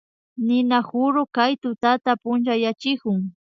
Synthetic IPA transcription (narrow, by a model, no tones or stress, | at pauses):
nɪnahʊɾokajt̪ʊt̪at̪apʊnt͡ʃajat͡ʃɪkʊŋ